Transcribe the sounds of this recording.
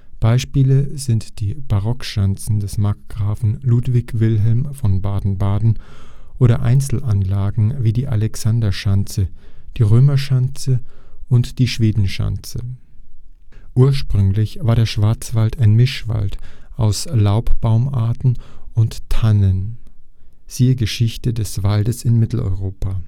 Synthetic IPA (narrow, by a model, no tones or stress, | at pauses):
b̥aɪʃpiːləzɪntd̥iːb̥aʁɔkʃant͡sn̩dɛsmakɡ̥ʁaːfn̩luːtv̥ɪçv̥ɪlɦɛlmfɔnbaːdn̩baːdn̩ʔoːɾɐʔa̰ɪnt͡sl̩ʔanlaːɡŋ̩viːdiːʔa̰lɛksandɐʃant͡səd̥iːʁøːmɐʃant͡səʊntd̥iːʃv̥eːdn̩ʃa̰nt͡sə | ʔuːɐʃpʁ̥ʏŋlɪçv̥aːɐɾeːɐʃv̥aɐt͡sv̥altaɪnmɪʃv̥a̰ltʔaʊslaʊpb̥aʊma̰ɐtn̩ʊnttʰanən | z̥iːəɡəʃɪçtədɛsv̥aldəsɪnmɪtl̩ɔ̰ʏʁ̞oːpʰa